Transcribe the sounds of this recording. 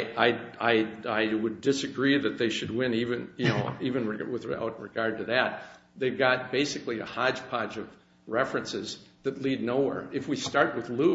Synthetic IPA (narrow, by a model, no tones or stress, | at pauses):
aɪaɪaɪwɨdɨsɨɡɹiðɨt̪̚ðeɪʃɨd̚wɪ̃nivɨ̃njɨnoʊivɨ̃nɹɨwɨðɹa̰ʊt̚ɹɨɡ̥ɑɹd̚tɨðɨt̪̚ | ðeɪɡɑt̚b̥eɪsɨkliɨ̰hɑ̥d͡ʒ̥pʰɑd͡ʒʌv | ɹɛfɹɨ̃nsɪzðɨtˡlidⁿnoʊwɛ̰ɹɨfwistɑɹt̚wɨðlu